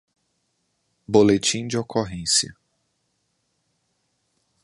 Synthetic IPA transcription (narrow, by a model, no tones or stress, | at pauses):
bolet͡ʃĩd͡ʒɪokoɦẽsjɐ̰